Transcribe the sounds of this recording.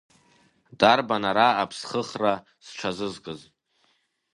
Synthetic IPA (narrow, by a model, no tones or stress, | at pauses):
darbanaɾaapʰsχəχra | sʈ͡ʂʷʰazɨzkʼɨz